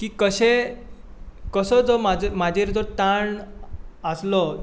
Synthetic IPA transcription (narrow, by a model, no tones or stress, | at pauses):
kiːkəɕe | kəsɔd͡zɔmad͡zmad͡ʑʱeɾd͡zɔt̪aɳ | əslɔ